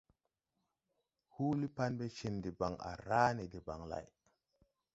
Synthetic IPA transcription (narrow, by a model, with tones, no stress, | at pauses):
hu˦li˦pa˦nbe˦t͡ʃe˨nde˨ba˨ŋa̰˨ɾa˦ne˨de˨ba˨ŋla̰˨j